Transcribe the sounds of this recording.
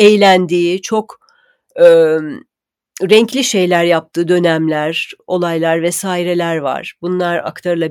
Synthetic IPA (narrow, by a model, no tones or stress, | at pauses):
ɛjlʲænd̪iːt͡ʃʰo̞k | ɯː | ɾɛɲclʲiʃe̞jlʲæɾjap̚t̪ʰɯːd̪ø̞næmlʲæɾo̞lˠajlˠaɾvɛsaːiɾelʲæɾva̰ɾ̥bunlˠaɾa̰kt̪ʰaɾɯlˠab